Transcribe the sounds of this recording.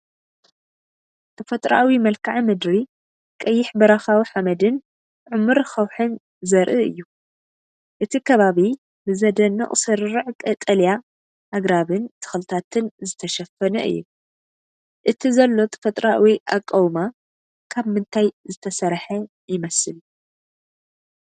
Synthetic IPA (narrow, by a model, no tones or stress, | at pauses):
t̪ʼɐfɐt̪ʼɾa̰ʔawimɐlkʰaʕimɨd̪ɾi | kʼɐjːɪħbɐɾaxawiħamɐd̪ɨn | ʕʊmːɨɾxɐwħɨn | zɐɾʔɨɨ̰jːu | ʔɨt̪ʰikʰɐβaβi | bɨzɐd̪ɐnːɐ̰χʼsɨɾɨɾɨʕkʼɐt̪ʼɐlja | ʔaɡɾaβɨnt̪ʰɨ̥xɨlɨt̪ʰat̪ʰɨnzɨt̪ʰɐʃɐfːɐnɐ̰ʔɨ̰jːṵ | ʔɨt̪ʰizɐlːo̞t̪ʼfɐt̪ʼɾawiʔakʼːɐwma | kʰaβmɨnt̪ʰajzɨt̪ʰɐsɐɾħɐ | jɪmɐsɨl